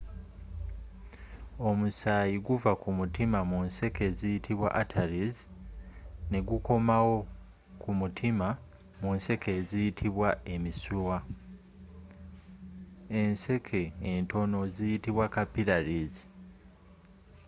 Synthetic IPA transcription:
o̞musaːjiɡuvakumutimamunse̞ke̞ːzijitʰiβwa̰ʔatʰaɾiz | ne̞ɡuko̞mawo̞ | kumutʰima | munse̞ke̞ːzijitʰiβwae̞misuwa | e̞nse̞kʰe̞ːnto̞no̞zijitiβwakapiɾaɾizi

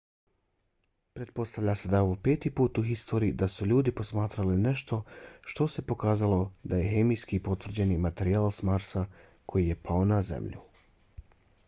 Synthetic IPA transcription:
pɾe̞t̪̚po̞st̪aʋʎased̪aoʋope̞ːt̪ipuːt̪uxist̪o̞ːɾiːd̪asuʎuːd̪ipo̞smaːt̪ɾaline̞ʃt̪ʰo̞ʃt̪o̞se̞po̞kaːzalo̞d̪aje̞xe̞mijskipo̞t̪ʋrɾd͡ʑe̞nimat̪e̞ɾiaːlˠsmaɾsa | kʰo̞jije̞pʰaonazḛmʎṵ

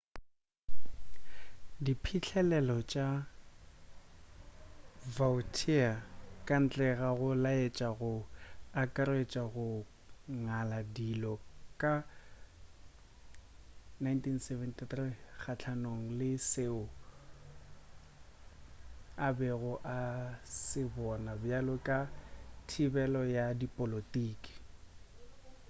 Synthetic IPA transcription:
dipʰit͡ɬʰɛlɛlɔt͡ʃʼa | vaʊtʰiakʼan̩t͡ɬʼɛɣaɣʊlaet͡ʃʼaɣʊakʼaɾet͡ʃʼaɣʊ | ŋaladilɔkʼa | najntʰinsɛvɛntʼiθriχat͡ɬʰanoŋ̩lɪseʊ | abɛɣʊʔasɪbɔnabjalɔkʼatʰibɛlɔjadipʼolotʼiːkʼi̥

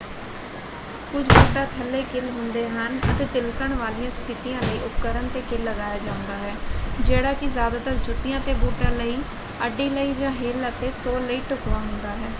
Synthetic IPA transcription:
kʊt͡ʃʰboːʈaːt̪ʰəlːeːkɪlɦʊ̃nd̪eːɦənət̪eːt̪ɪlkəɳʋaːlijãːst̪ʰɪt̪ijãːləiːʔʊp̚kəɾəɳt̪eːkɪlːəɡaːjaːd͡ʒãːʊ̃nd̪aːɦɛːd͡ʒeːɽaːkɪzjaːd̪aːt̪əɾd͡ʒʊt̪ɪjãːt̪eːboːʈãːləiː | əɖːiːləiːd͡ʒãːɦeːlət̪eːsoːlːəiːʈʊkʋaːɦʊ̃nd̪aːɦɛː

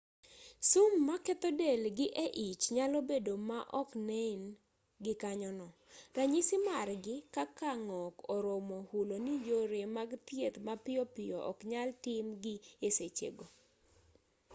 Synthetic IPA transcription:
sʊmːakɛt̪ɔdelɡɪʔeʔit͡ʃɲalɔbedomaʔɔknɛn | ɡɪkaɲɔnɔraɲisɪmarɡɪkakaŋɔkɔɾomɔhulonijoɾemaɡt̪jet̪mapɪɔpɪjɔʔɔ̰kɲaltɪmɡɪeset͡ʃḛɡo

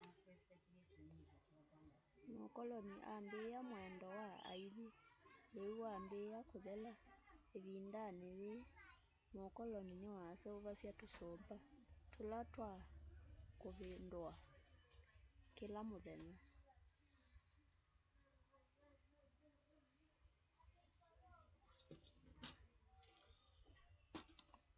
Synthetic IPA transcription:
mokɔlɔniʔambejamwɛndɔwaa̰iðileuambejakoðɛlaeβindaneðe | mokɔlɔninewasɛoβasjatosɔmbatʰolatwa | koβendoa | kelamoðɛna

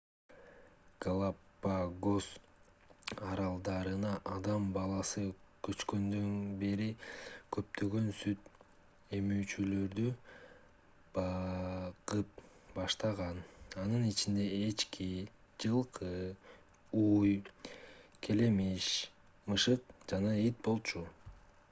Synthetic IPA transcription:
ɡalˠapː | aɡo̞s | ɑɾɑlˠd̪ɑɾɯnɑʔɑd̪ɑmbɑlˠɑsɯkʰø̞t͡ʃkø̞nd̪ønbe̞ɾikʰø̞p̚t̪ʰø̞ɡø̞nsyt̪ | e̞myːt͡ʃylø̞ɾd̪y | bɑ | qɯp̚ | bɑʃt̪ɑʁɑnɑnɯnit͡ʃind̪e̞ːt͡ʃki | d͡ʒɯlˠqʰɯ | uj | kʰe̞le̞miʃ | mɯʃɯqd͡ʒɑnɑet̪̚bo̞lˠt͡ʃʰu

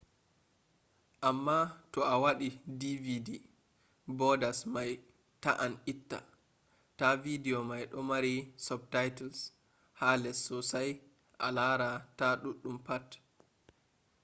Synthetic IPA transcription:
ʔamːatɔʔawaɗidividi | bɔdasmaj | taʔanitːa̰ | tavidɛɔmajɗɔmaɾisɔb̚tajtals | halɛsːɔsaj | ʔa̰laɾataɗuɗːumpat

